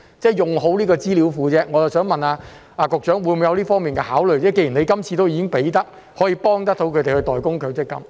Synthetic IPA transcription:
t͡sɛː˥jʊ˨ŋɦo˨˥wliː˥kɔː˧t͡siː˥liː˨˥wfuː˨˧t͡sɛː˥ŋɔː˨˧jɐ˨wsœː˨˥ŋmɐ˨naː˧ | ʔaː˨˧kʊ˨˩k̚t͡ʃœː˨˥ŋwuː˨˧jmu˨˧jɐ˧wliː˥fɔː˥ŋmiː˨nkɛ˧haː˨˥wlɵ˨ɥt͡sɛː˥ke˧jy˨˩ne˨˧jkɐ˥mt͡sʰi˧t̪o˥wjiː˧˥kɪ˥ŋpe˨˥jt̪ɐ˥k̚ | hɔː˨˥jiː˧pɔː˥ŋt̪̬ɐ˥k̚t̪ʰo˨˥wkʰɵ˨˧t̪e˨hɵ˧ɥt̪ɔː˨jkʊ˥ŋkʰɵ˨˧˥wt͡sɪ˥kːɐ̰˥m

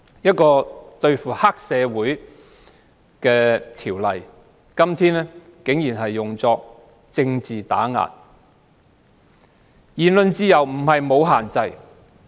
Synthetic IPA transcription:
jɐ˥t̚kɔː˧t̪ɵ˧ɥfuː˨˩haː˥k̚sɛː˨˧wuː˨˥j | kɛː˧t̪ʰiː˨˩wlɐ˨˩j | kɐ˥mt̪ʰiː˥nɛ˥kɪ˨˥ŋjiː˨˩nɦɐ˨jːʊ˨ŋt͡sɔː˧k̚ | t͡sɪ˧ŋt͡siː˨t̪a̰ː˨˥ŋa̰ː˨˩n | jiː˨˩nlɵ˧nt͡siː˧jɐ˨˩wm̩˨˩hɐ˨jmo˨˧wɦaː˨˩nt͡sɐ˧j

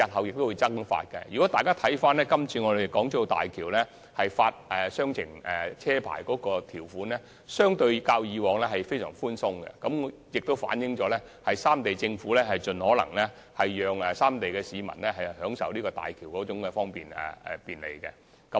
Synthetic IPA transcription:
jɐ˨˩t̚hɐ˨wjɪ˨k̚t̪o˥wu˧jt͡sɐ˥ŋfa̰ː˧t̚kɛ̰˧jyː˨˩kɔ˨˥t̪aː˨jkaː˥t̪ʰɐ˨˥jfaː˥nlɛː˥kɐ˥mt͡sʰiː˧ŋɔː˨˧de˨jkɔː˨˥ŋt͡sʰɔ˥˧t̪a̰ː˨jkʰiː˨˩wlɛ˥ | hɐ˨jfaː˧t̚ɛː˨sœː˥ŋt͡sʰɪ̰˨˩ŋɛː˨t͡sʰɛː˥pʰa̰ː˨˩jkɔː˨˥kɔː˧t̪ʰiː˨˩wfuː˨˥nlɛ˥ | sœː˥ŋt̪ɵ˧ɥkaː˧wjiː˨˧wɔː˨ŋlɛ˥hɐ˨jfe˥jsœ̰ː˨˩ŋfuː˥nsʊ˥ŋɡɛ̰˧kɐ˨˥mjɪ˨k̚t̪o˥wfa̰ː˨˥njɪ˨˧ŋt͡ʃɔː˨˧˥lɛ˥hɐ˨jsaː˥mt̪e˨jt͡sɪ˧ŋfuː˨˥lɛ˥hɐ˨jt͡ʃɵ˨nhɔː˨˥lɐ̰˨˩ŋlɛ˥ | hɐ˨jːœː˨ŋɛ˨saː˥mt̪e˨jkɛː˧siː˨˧mɐ̰˨˩nlɛ˥ɦɐ˨jhœː˨˥ŋsɐ̰˨wliː˥kɔ˧t̪a̰ː˨jkʰiː˨˩wkɔː˨˥t͡sʊ˨˧˥ŋkɛ˧fɔː˥ŋpḭː˨˩nɛ̰˨ɛ̰˨˩piː˨nlḛ˨jkɛ̰˧ | kɐ˨˥m

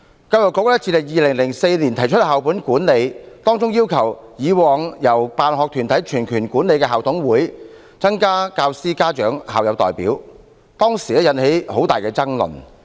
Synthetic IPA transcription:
kaː˧wjɔ˨˩kːɔ˨˥k̚lɛ˥t͡siː˧lɪ˨˩ŋjiː˨˧lɪ˨˩ŋlɪ˨˩ŋse˧jni˨˩nt̪ʰɐ˨˩jt͡ʃʰɵ˥t̚haː˨wp̬uː˨˥nkuː˨˥nle˨˧jt̪ɔː˥ŋt͡sʊ˥ŋjiː˥wkʰɐ˨˩w | jiː˨˧wɔː˨˧ŋjɐ˨˩wpaː˨nɦɔ˨k̚t̪ʰyː˨˩nt̪ʰɐ˨˥jt͡ʃʰyː˨˩nkʰyː˨˩nkuː˨˥ne˨˧jkɛː˧ɦaː˨wt̪ʰʊ˨˥ŋwuː˨˥j | t͡sɐ˥ŋkaː˥kaː˧wsiː˥kaː˥t͡ʃœː˨˥ŋha̰ː˨wjɐ˨˧wt̪ɔː˨˩jpḭː˨˥w | t̪ɔː˥ŋsi˨˩lɛ˥jɐ˨˧nhe˨˥jho˨˥wt̪aː˨˩jkɛː˧t͡sɐ˥ŋlɵ̰˨˩n

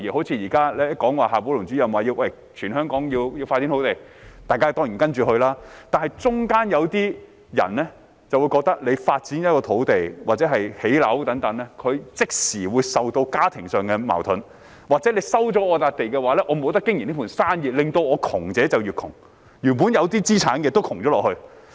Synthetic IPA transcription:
jiː˨ho˨˥wt͡sʰiː˧˥jiː˨˩kaː˥lɛː˥kɔː˨˥ŋwaː˨ɦaː˨puː˨˥lʊ˨˩ŋt͡syː˨˥jɐ˨mwaː˨jiː˧wʔɐ˧˩j | t͡ʃʰyː˨˩nɦœː˥ŋkɔː˨˥ŋjiː˧wjiː˧wfaː˧t̚t͡si˨˥ntʰo˨˥wt̪e˨j | t̪aː˨jkaː˥t̪ɔː˥ŋi˨˩nkɐ˥nt͡ʃyː˨hɵ˧ɥlaː˥t̪aː˨nhɐ˨jt͡sʊ˥ŋkaː˥njɐ˨˧wt̪iː˥ | jɐ̰˨˩nlɛ˥ | t͡sɐ˨˩wu˨˧jkɔː˧k̚t̪ɐ˥k̚le˨˧jfaː˧t̚t͡si˨˥njɐ˥kɔː˧t̪ʰo˨˥wt̪e˨jwaː˨k̚t͡sɛ˨˥ɦɐ˨jhe˨˥jlɐ˨˥wt̪ɐ˨˥ŋt̪ɐ˨˥ŋlɛː˥kʰɵ˨˧ɥt͡sɪ˥k̚siː˨˩wuː˨˧jsɐ˨wt̪o˧wkaː˥t̪ʰɪ˨˩ŋsœː˨ŋkɛ˧ma̰ː˨˩wt̪ʰʊ˨˥n | waː˨k̚t͡sɛ˨˥le˨˧jsɐ˥wt͡sɔː˨˥ɔː˨˧t̪aː˧k̚t̪e˨jkɛ˧waː˨˥lɛː˥ʔɔː˨˧mo˨˧wt̪ɐ˥kːɪ˥ŋji˨ni˥fuː˨˩nsaː˥njiː˨t̚lɪ˨ŋt̪o˧wɔː˨˧kʰʊ˨˩ŋt͡sɛː˨˥t͡sɐ˨wjyː˨˩kʰʊ˨˩ŋ | jyː˨˩npu˨˥njɐ˨˧wt̪̬iː˥t͡siː˥t͡sʰaː˨˥nkɛ˧t̪o˥wkʰʊ˨˩ŋt͡ɕɔː˨˥lɔː˨hɵ˧ɥ

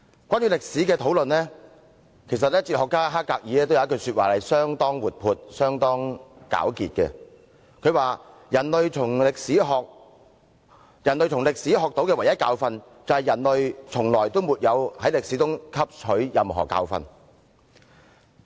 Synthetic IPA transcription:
kwaː˥nɥyː˧˥lɪ˨k̚siː˨˥kɛː˧t̪ʰo˨˥wlɵ˨nlɛː˥ | kʰe˨˩js̬ɐ˨t̚lɛː˥t͡siː˧t̚hɔː˨kːaː˥ɦaː˥kːaː˧k̚jiː˨˧lɛː˥t̪o˥wjkɵ˧syː˧t̚waː˨˩hɐ˨jsœː˥ŋt̪ɔː˥ŋwuː˨t̚pʰuː˨˧t̚sœː˥ŋt̪ɔː˥ŋka̰ː˨˥wkḭː˨t̚kɛ̰˧ | kʰɵ˨˧ɥwaː˨˧ | jɐ˨˩nlɵ˨ɥt͡sʰʊ˨˩ŋlɪ˨k̚siː˨˥ɦɔː˨k̚ | jɐ˨˩nlɥt͡sʰʊ˨˩ŋlɪ˨k̚siː˨˥ɦɔː˨k̚t̪o˨˥wkɛː˧wjɐ˥t̚kaː˧wfɐ˧n | t͡sɐ˨whɐ˨jɐ˨˩nlɵ˨ɥt͡sʰʊ˨˩ŋlɔː˨˩jt̪o˥wmuː˨t̚jɐ˨˧whɐ˨˥jlɪ˨k̚siː˨˥tʊ˥ŋkʰɐ˥p̚t͡ʃʰɵ˨˥ɥjɐ˨mɦɔ̰ː˨˩ka̰ː˧wfɐ̰˧n

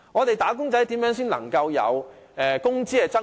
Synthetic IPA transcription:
ŋɔː˨˧t̪e˨jt̪aː˨˥k̬ʊ˥ŋt͡sɐ˨˥jt̪iː˨˥mjœː˨˥ŋsiː˥nlɐ̰˨˩ŋkɐ˧wjɐ̰˨˧wʔɛː˨kʊ˥ŋt͡siː˥kɛ˧t͡sɐ˥

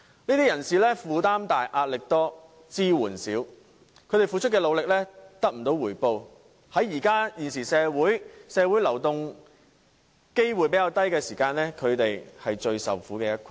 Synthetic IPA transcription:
niː˥t̪iː˥jɐ˨˩nsiː˨lɛː˥fuː˨˧t̪aː˥mt̪aː˨jʔaː˧t̚lɪ˨k̚t̪ɔː˥ | t͡siː˥wuː˨˩nsiː˨˥w | kʰɵ˨˧ɥɾe˨˩jfuː˨˧t͡ʃʰɵ˥t̚kːɛː˧lo˨˧wlɪ˨k̚lɛː˥t̪ɐ˥k̚m̩˨˩t̪o˨˧˥wuː˨˩jpo˧w | hɐ˨˥jːiː˨˩kaː˥jiː˨˩nsiː˨˩sɛː˨˧wuː˨˥jsɛː˨˧wuː˨˥jlɐ˨˩wt̪ʊ˨ŋ | ke˥jwu˨˩jpe˨˥ja˧wt̪ɐ˥jkɛː˧siː˨˩kaː˧nlɛː˥kʰɵ˨˧ɥt̪e˨jhɐ˨jt͡ʃɵ˧ɥsɐ̰˨wfuː˨˥kɛː˧jɐ˥t̚kʰ

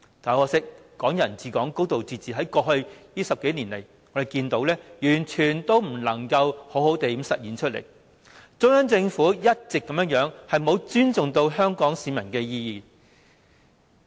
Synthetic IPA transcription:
t̪aː˨˥wɔː˧sɪ˥k̚ː | ɔː˨˥ŋjɐ˨˩nt͡siː˨˧kɔː˨˥ŋko˥wt̪o˨wt͡siː˧t͡siː˨ɦɐ˨˥jkɔː˧hɵ˧ɥjiː˥sɐ˨p̚ke˨˥niː˨˩nle˨˩j | ŋɔ˨˧ɾe˨jkiː˧nt̪o˨˧˥wlɛː˥jyː˨˩nt͡ʃʰyː˨˩nt̪o˥wm̩˨˩lɐ˨˩ŋkɐ˧who˨˥who˨˥wt̪e˨˧ji˨˥msɐ˨t̚jiː˨nt͡ʃʰt̚lḛ˨˩j | t͡ʃʊ˥ŋhɐ˥nt͡sɪ˧ŋfuː˨˥jɐ˥t̚t͡sɪ˨kːɐ˨mjœː˥ŋjœː˨˥ŋhɐ˨jmo˨˧wt͡ʃyː˥nt͡sʊ˨ŋt̪o˧wɦœː˥ŋkɔː˨˥ŋsiː˨˧mɐ˨˩nkɛː˧jiː˧jiː˨

